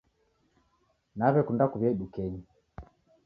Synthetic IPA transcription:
naβɛkundakuβjɛiɗukɛɲi

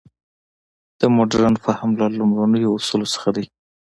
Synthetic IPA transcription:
d̪̥əmoɖaɾanfahamlalʊmɾanəjoːsulosə̥xad̪ij

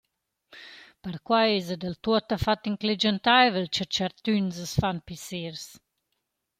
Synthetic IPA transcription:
pəɾkwajezəd̪əlt̪uət̪afat̪iŋkled͡ʒənt̪ajvəlt͡ʃət͡ʃaɾt̪ynzəsfanpisiɾs

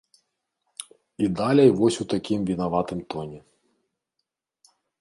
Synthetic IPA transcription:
id̪ɑlʲɛjʋɔsʲut̪ɐkʲimʋʲinɐʋɑt̪ɪmt̪ɔnʲi

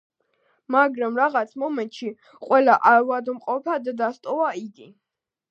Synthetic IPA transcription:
maɡɾamɾaʁat̪sʰmɔmɛnt̪ʼʃi | qʼwɛlaʔavad̪mqʼɔpʰad̪d̪ast̪ʼɔvaid̪i

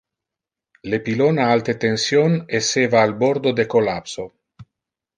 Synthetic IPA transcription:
lepilonaalt̪et̪ensjonesevaːlboɾd̪od̪ekolapso

